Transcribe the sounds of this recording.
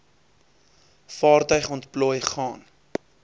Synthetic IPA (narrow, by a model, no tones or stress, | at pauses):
fɑːrtœɥχɔntplɔjχɑːn